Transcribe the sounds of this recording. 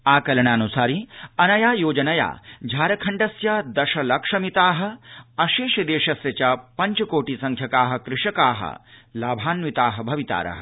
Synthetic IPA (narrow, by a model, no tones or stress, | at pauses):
aːkɐlɐɳaːnusaːɾiɐnɐjaːjoːd͡ʒɐnɐja̰ːd͡ʒʱaːɾɐkʰɐɳɖɐsjɐd̪ɐʃɐlɐkʂɐmit̪aːɦɐ̆ɐʃeːʃɐd̪eːʂɐsjɐt͡ʃɐpɐɲt͡ʃɐkoːʈisɐŋkʰjɐkaːɦɐ̆kɾɪʂɐkaːɦɐ̰laːbʱaːnʋit̪aːɦɐbʱɐʋit̪a̰ːɾɐ̰ɦɐ̰